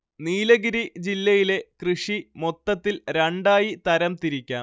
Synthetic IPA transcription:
niːlɐɣiɾid͡ʑilːɐjile̞krɨʂimo̞t̪ːɐt̪ːilɾɐɳɖaːjit̪ɐɾɐmt̪iɾikʲːa̰ːm

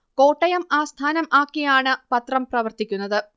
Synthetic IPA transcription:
ko̞ːʈːɐjɐmaːst̪ʰaːnɐmʔaːkːijaːɳɨpɐt̪rɐmprɐʋɐrt̪ikʲːunːɐðɨ

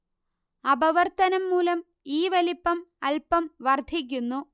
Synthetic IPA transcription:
ɐbɐʋɐrt̪ɐnɐmːuːlɐm | iːʋɐlipːɐmɐlpɐmʋɐrd̪ʱik̬ʲːunːu

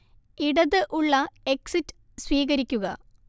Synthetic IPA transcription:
iɽɐðɨʔuɭːɐeksitːɨ̥ | swiːɣɐɾikʲːuɣɐ

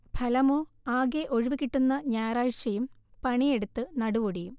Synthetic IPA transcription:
bʰʱɐlɐmoːaːɡeʔo̞ɻiʋikiʈːunːɐɲaːɾaːɻʂɐjumpɐɳieɽut̪ːɨnɐɽuʋoɽijum

